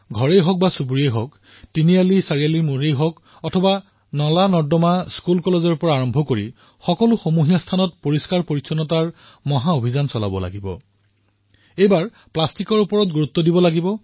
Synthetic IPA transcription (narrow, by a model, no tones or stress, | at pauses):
ɡʱɔɹejɦɔk̚basubuɹiejɦɔk | tinijalisaɹijalimoɹejɦɔk | ɔtʰɔba | nɔlanɔɹdɔmaskulkɔlezɔɹpɔɹaːɹɔmbʱɔkoɹi | xɔkɔlʊxomuɦijastʰanɔt̚poɹiskaɹpoɹisʰɔnɔtaɹ | mɔɦaobʱizansɔla̰bɔla̰ɡibɔ̰ | ejbaɹ | plastikɔɹupɔɹɔtɡuɹut̪ːɔdibɔlaɡibɔ